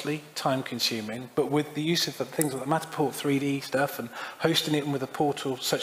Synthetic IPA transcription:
litʰãɪ̃mkʰə̃nsʉːmɪ̃ŋb̥ʌʔwɪðəjʉːzəvðəθɪ̃ŋzəəmatə̥pʰɔˑt̪θɹiːɾiːstʌfə̃nhəʊstɪ̃ŋɪtn̩wɪðəpʰɔˑtʰəlˠsʌt͡ʃ

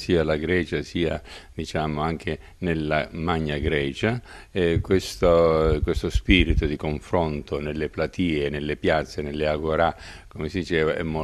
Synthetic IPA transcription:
siːalaɡɾɛːt͡ʃasiːad̪it͡ʃaːmʊaŋk̟ʰe | nelːamaɲːaɡɾɛːt͡ʃa | ɛkwest̪okwest̪ospiːɾit̪ʊd̪ikoɱfɾont̪onelːeplat̪iːenelːepjat̪sːenelːeaɡoɾa | komesid̪it͡ʃɛːvaʔɛ̰mːo

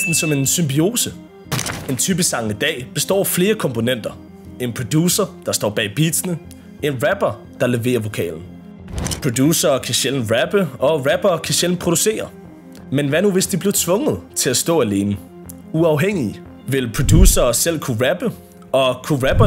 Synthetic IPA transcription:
d̥n̩sɒ̽me̝nsymbio̝ːsə | e̝nt͡sʰyːb̥əsɑ̈ŋəd̥ɛ̰ːb̥e̝sd̥ɒ̰ːfle̝ːɐkʰɒ̽mpʰo̝nen̰d̥ɐ | e̝npʰʁod̥juːsɐd̥ɑ̈sd̥ɒ̰ːb̥ɛ̰ːb̥ḭːd̥sənə | e̝nʁæb̥ɐ | d̥ɑ̈leʋe̝̰ːɐʋo̝kʰɛ̰ːln̩ | pʰʁ̥od̥juːsɐːkʰæɕeln̩ʁæb̥əɒ̽ʁæb̥ɐkʰæɕel̰n̩pʰʁo̝d̥use̝̰ːɐ | menʋænuʋe̝sd̥ib̥le̝ʊt͡sʰʋɔ̽ŋð̞̩ˠt͡sʰe̝læsd̥ɔ̰̽ːæle̝ːnə | uɑ̈ʊɦeŋ̰i | ʋe̝lpʰʁo̝d̥jṵːsɐːsel̰kʰuʁæb̥ə | ɒ̽kʰuʁæb̥ɐ

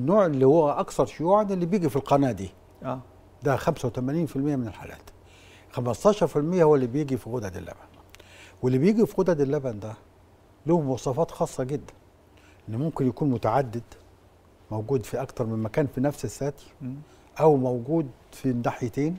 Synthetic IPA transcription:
nːoːʕelːihowːæʔɑkθɑɾˤʃojuʕad̪elːibjiːɡifilqɑnæːd̪iː | d̪æxæmsæwt̪æmæniːnfilmɪjːæmɪnelħa̰ːlæ̰ːt̪ | xæmæst̪ˤɑːʃɑɾˤfilmɪjːæhowːælːibjeɡifiɣʊd̪æd̪ɪ̰lːæ̰bænwelːibjiːɡifiɣod̪æd̪elːæbænd̪æ | limowɑsˤɑːfɑːt̪xɑːsˤːɑɡed̪ːæ̥n | ʔenːmʊmkɪnjækuːnmʊt̪aʕad̪ːɪd̪ | mowɡuːd̪fiʔækt̪ɑɾˤmɪmmækæːnfinæfsesːæːt̪i̥ | ʔæwmowɡuːd̪finːaħjet̪eːn

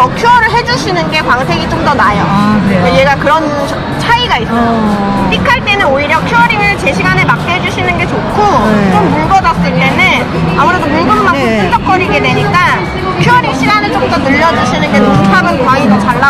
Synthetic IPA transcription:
jʌkʰjuʌɾɯɭɦe̞d͡ʑuɕʰinɯnɡe̞kwaŋsʰe̞ɡit͡ɕomdʌnajokaje̞ɡakɯɾʌn | t͡ɕʰaiɡais͈ʌ | p͈ikʰaɭt͈e̞nɯnoiɾjʌkʰjuʌɾiŋɯɭt͡ɕe̞ɕʰiɡanemak͈eɦed͡ʑuɕʰinɯnɡe̞t͡ɕokʰot͡ɕ͈omːuɭbʌdas͈ɯiːene | amuɾe̞domoduɦamak͈os͈ʰɯnd͡ʑʌk͈ʌɾiɡe̞dwe̞ɲik͈a | kʰjuʌɾiɕʰiɡanɯɭt͡ɕ͈omdʌnɯʎːʌd͡ʑuɕʰinɯnɡenoutʰamɯnkwaidot͡ɕaɭːa

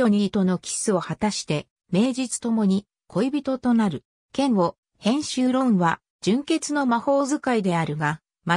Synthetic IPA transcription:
o̞ɲ̟it̪o̞no̞kʲi̥sɨo̞hat̪aɕi̥t̪e̞ | me̞ːd͡ʑit͡sɨ̥t̪o̞mo̞ɲ̟i | kʰo̞ibʲit̪o̞t̪o̞naɾɯ̟ | kẽ̞ɰ̃o̞ | hẽ̞ɰ̃ɕɨːɾõ̞ɰ̃βa | d͡ʑɨ̃ŋke̞t͡sɨno̞maho̞ːzɨkaid̪e̞aɾɯ̟ɡa | ma

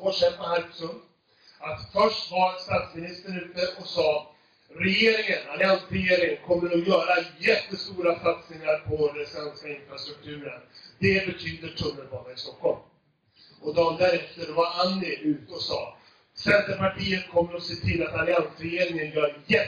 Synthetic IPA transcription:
oʂɛmpaɦæɾsɵnd̪ | at̪fœʂʈvaɛst̪aːt̪smɪnɪst̪əɾʉ̟ːt̪əɔsɑː | ɾɛjeːɾɪŋənalɪansɾɛjeːɾɪŋənkʰɔmːəɾɔjœːɾajɛt̪ːəst̪uːɾasat̪snɪŋaɾpʰɔɾɛsɛnskaɪnfɾast̪ɾɵk̚t̪ʰʉ̟ːɾənd̪ɛbɛt̪ʰyːd̪əʈʰɵnːəɾbɑːnaɪst̪ɔkːɔlm | ɔd̪ɔmd̪æɾɛft̪əd̪ɔvaɾanːɪʉ̟ːt̪ɔsɑː | sɛnt̪əɾpaʈʰiːənkʰɔmːəɾɔseːt̪ʰɪlːat̪alɪansɾɛjeːɾɪŋənjœːɾjɛ

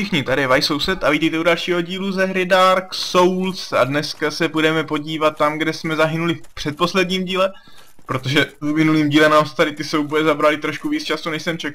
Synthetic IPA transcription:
ʃɪxɲɪt̪adɪvajso̞wsɛt̪aviːt̪ɛjt̪ɛudalʃiːɦo̞ɟiːluzɛɦɾɪdaːɾkso̞wlsa̰dnɛskasɛbudɛmɛpo̞ɟiːvat̪ːamɡdɛsmɛzaɦɪnulɪfpr̥ɛt̪̚po̞slɛdɲiːmɟiːlɛ | pɾo̞t̪o̞ʒɛumɪnuliːmɟiːlɛmnaːmst̪aɾɪt̪ɪsoubojɛzabɾalɪt̪ɾo̞ʃkuviːt͡st͡ʃasunɛʃsɛmt͡ʃɛk

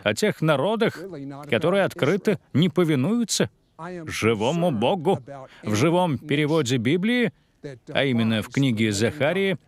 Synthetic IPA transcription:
ɐtʲe̞xnɐɾo̞d̪əxkɐt̪oɾɨjəɐt̪kɾɨt̪ɨnʲɪpəvʲɪnujʊt̪sə | ʐɨvo̞mʊboɡʊvʐɨvo̞mpʲɪɾʲɪvodʲɪbʲiblʲɪɪ | ɐ̰imʲɪnːəfknʲiɡʲɪzɐxaɾʲɪɪ

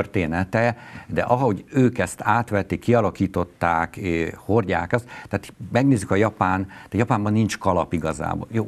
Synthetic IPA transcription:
ørt̪eːnɛt̪ɛd̪ɛ̰ʔɒɦɒɦo̞ɟøːkɛst̪ʰaːt̪ʋɛt̪ːikːiɒlɒkiːt̪o̞t̪ːaːkːhorɟa̰ːkɒt̪t̪ːɛaːt̪mɛɡneːzykɒjɒpaːnt̪jɒpaːmbɒnːint͡ʃkɒlɒpiɡɒza̰ːbo̰joː

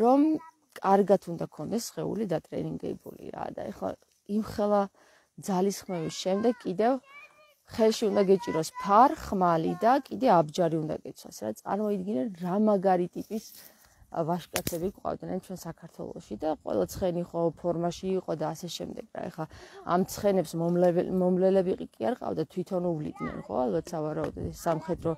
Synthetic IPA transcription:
ɾɔm | kʼaɾɡat̪ʰund̪akʰɔnd̪ɛsːχɛṵlid̪at̪ʼɾɛ̰niŋɡɛ̰bṵlḭɾa̰d̪a̰ɛχlˠa̰ | imχɛlˠa | d̪zalisχmɛvisʃɛmd̪ɛɡkʼːid̪ɛv | χɛlˠʃiund̪aɡɛt͡ʃʼiɾɔspʰaɾχmalid̪akʼid̪ɛabd͡ʒaɾiund̪a̰ɡɛt̪sʰwa̰sɾat̪sʼa̰ɾmɔid̪ɡinɛnɾamaɡaɾit̪ʼipʼis | vaʃkʼat̪sʰɛbikʼqʼa̰vd̪nɛnt͡ʃʰwɛnsakʰaɾt̪ʰwɛ̰lˠɔ̰ʃid̪aqʼwɛ̰lˠat̪sʰχɛniχɔpʰɔɾmaʃiːqʼɔd̪aːsɛʃɛ̰md̪ɛɡ̥ɾa̰ɛ̰χlaa̰mt̪sʰχɛnɛpslɛmɔmlɛlɛbikʼiaɾqʼa̰vd̪at̪ʰwit̪ʰɔnuvlḭd̪nɛ̰nχɔ̰alˠbat̪ʰsavaɾaɔd̪ɔ̰t̪ɛssamχɛd̪ɾɔ

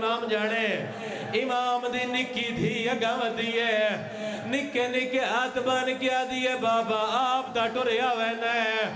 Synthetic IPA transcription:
naːmd͡ʒaːɽ̃e | ɪmaːmd̪iːnɪkːiːt̪ʰiːaɡaːməd̪iːɛː | nɪkːeːnɪkeːaːt̪maːnkɪaːd̪iːɛːbaːbaːaːp̚d̪aːʈoɾeːaːʋɛːnaɛ

